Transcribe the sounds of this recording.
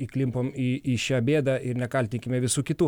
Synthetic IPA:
iklʲɪmpoːmiiːʃʲæːbʲeːd̪ɐɪɾnʲɛkɐlʲt̪ʲɪŋʲkʲɪmʲɛʋʲɪsuːkʲɪt̪uː

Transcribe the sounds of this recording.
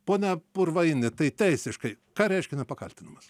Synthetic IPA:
poːnʲɛpʊrʋɐɪnʲɪt̪ɐɪt̪ʲɛɪsʲɪʃkɐɪ | kɑːɾʲɛɪʃʲkʲɛnʲɛpɐkɐlʲt̪ʲɪnɐmɐs

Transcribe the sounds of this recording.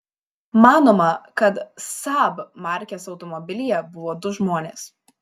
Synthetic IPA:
mɑːnoːmɐkɐt̪sɑbmɑˑɾʲkʲeːsɒʊt̪ɔmɔbʲɪlʲiːjɛbʊʋoːd̪ʊʒmoɔnʲeːs

